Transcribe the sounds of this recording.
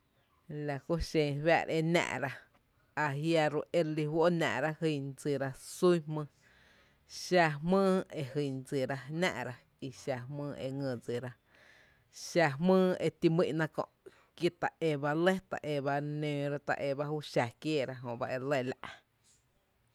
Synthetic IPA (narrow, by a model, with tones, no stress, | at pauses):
la˨ku˦ʃẽ˧˨βa̰˦˧˨ɾe˧nã̰˧˨ʔɾa˧ | a˧ɦja˧ɾu˧ʔe˧ɾli˧hwo˦nã̰ː˧˨ʔɾa˦hi˧˨nd͡zɨ˧˨ɾa˧su˦hmɨ̃ː˧ | ʃa˧mɨ̃ː˦e˧hi˧˨nd͡zɨ˨ɾa˧nã̰˧ʔɾa˧ | i˧ʃa˧˨mɨ̃ː˦˧ʔḛ˧ŋɨ̃˧˨d͡zɨ˨ɾa˧ | ʃa˧mɨ̃ː˦e˧t̪i˧mḭ̃˦ʔnã˦kõ̰˧ʔ | ki˦t̪a˨ʔe˧ba˧le˦t̪a̰˨ʔe˧βa˧nẽː˧ɾa˦t̪a̰˧ʔe˧˨ba˦huː˦ʃa˨kjeː˦˨ɾa˧ɦõ˨ba˧ʔe˧le˦˧˨la̰˧ʔ